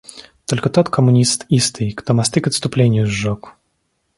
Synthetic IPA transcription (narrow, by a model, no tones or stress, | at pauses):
t̪ɔlʲkət̪ɔt̪kʰəmʊnʲist̪ist̪ɨjkt̪ɔmast̪ɨkət̪st̪ʊplʲenʲɪjʊzːɔk